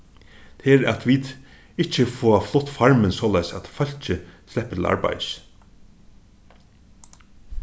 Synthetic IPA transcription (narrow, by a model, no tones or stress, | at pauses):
t̪ʰeːɾæ̰t̪ʰʋiːt̪ | ɪt͡ʃːəfoːaflʊt̪ːfaɹmənsɔːlajsæt̪fœl̥t͡ʃəslɛhpːət̪ʰɪlʔa̰ɹba̰js